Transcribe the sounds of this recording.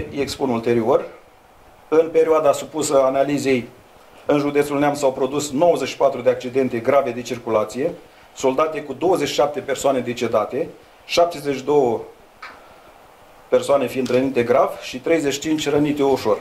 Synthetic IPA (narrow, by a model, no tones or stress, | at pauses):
jekspunult̪e̞ɾio̞r | ɨnpe̞ɾioad̪asupusəanalize̞j | ɨnʒud̪e̞t̪sulneamsawpɾo̞d̪usno̞wəzeʃi̥pat̪ɾud̪eak̚t͡ʃid̪e̞nt̪e̞ɡɾave̞d̪et͡ʃirkulat̪sije̞ | so̞ld̪at̪ekud̪o̞wəzeʃi̥ʃap̚t̪e̞pe̞rsoane̞d̪e̞t͡ʃe̞d̪at̪e̞ | ʃap̚t̪e̞zeʃid̪o̞wə | persoane̞find̪ɾənit̪e̞ɡɾavʃit̪ɾe̞jzeʃi̥t͡ʃint͡ʃʲrənit̪e̞uʃo̞r